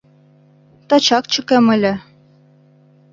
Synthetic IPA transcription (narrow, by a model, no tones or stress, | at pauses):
t̪ɑt͡ɕɑkt͡ɕɤ̆kemɘ̆lʲɘ̆